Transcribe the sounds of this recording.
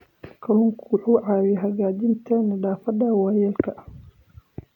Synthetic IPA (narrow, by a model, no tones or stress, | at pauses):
kʰɐlʊŋkʰuʊħuːʕaːwjɦɐɣaːd͡ʒɪnt̪ʰɛnɐɖaːfɐd̪aːwaːjɛːlkʰɐʔ